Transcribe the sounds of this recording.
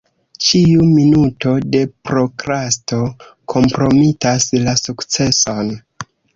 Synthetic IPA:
t͡ʃiuminuto̞de̞pɾo̞kɾasto̞ | kʰo̞mpɾo̞mitaslasukt͡se̞so̞n

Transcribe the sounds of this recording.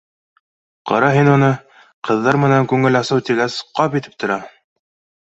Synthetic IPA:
qɒ̰ɾɑɦinunɤ | qɤ̆ðːɑɾmɘ̆næŋkʉŋɘlɑsɤwt̪iɡæsqɑpit̪ɘ̥p̚t̪ʰŏɾɑ

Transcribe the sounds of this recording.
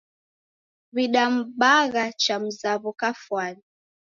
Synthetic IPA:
βiɗam̩ɓaɣat͡ʃam̩zaβukafwani

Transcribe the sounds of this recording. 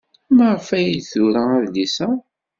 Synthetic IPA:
məʁfæjiθʊɾææðlisæ

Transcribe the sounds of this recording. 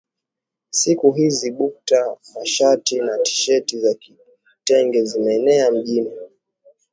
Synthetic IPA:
sikuɦiziɓuk̚tamaʃatinati̥ʃɛtizaki | tɛŋɡɛzimɛːnɛam̩ʄini

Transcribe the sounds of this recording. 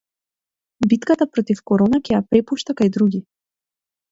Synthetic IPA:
bit̪kat̪apɾɔt̪ifkɔɾɔnakʲɛjapɾɛpuʃt̪akajd̪ɾuɡʲi

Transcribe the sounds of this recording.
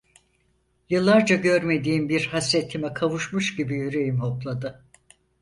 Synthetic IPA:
jɯlˠːaɾd͡ʒaɟøɾme̞d̪iːmbiɾhasɾet̪ʰːimɛkʰavuʃmuʃɟibijyɾe̞jimɦo̞plˠad̪ɯ

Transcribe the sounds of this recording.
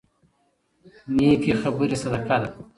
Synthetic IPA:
niːkixabuɾisɐd̪akad̪

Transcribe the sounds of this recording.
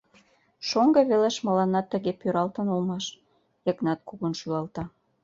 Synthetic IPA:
ʃoŋɡɤ̆βeleʃmə̆lɑnːɑt̪ːə̆ɣepøɾɑlt̪ə̆nolmɑʃ | jə̆knɑt̪̚kuɣonʃylɑlt̪ɑ

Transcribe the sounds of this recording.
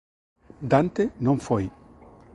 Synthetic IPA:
d̪ant̪ɛnɔnfɔj

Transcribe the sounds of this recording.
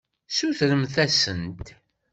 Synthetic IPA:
suθɾəmθæsənt̪

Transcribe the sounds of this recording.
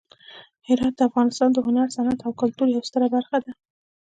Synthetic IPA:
hɪɾɑt̪̚d̪əafɣɑnɪst̪ɑnd̪əhʊnaɾsanat̪awkʊlt̪uɾjawst̪əɾabaɾxad̪a

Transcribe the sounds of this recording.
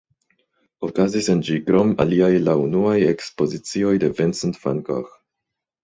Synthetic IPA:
okazisend͡ʒiɡɾoma̰liajlaunuajekspo̞zit͡sio̞jde̞vensntfa̰nko̰x

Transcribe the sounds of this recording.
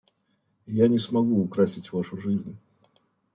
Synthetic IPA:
janʲɪsmɐɡuːkɾasʲɪtʲvaʂʊʐɨzʲnʲ

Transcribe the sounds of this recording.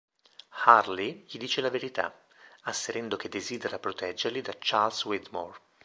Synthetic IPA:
harliʎid̪iːt͡ʃelaveɾit̪a̰ | asːeɾɛnd̪ok̟ed̪ːeziːd̪eɾapɾot̪ɛd͡ʒːerlid̪at͡ʃːalswid̪mor

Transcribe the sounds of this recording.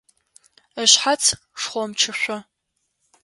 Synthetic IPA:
əɕħat͡sʰ | ʂχʷɔmt͡ʃʰɨɕʷɔ

